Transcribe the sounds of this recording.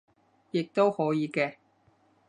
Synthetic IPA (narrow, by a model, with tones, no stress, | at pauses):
jɪ˨k̚t̪o˥whɔː˨˥jiː˨˧kɛː˧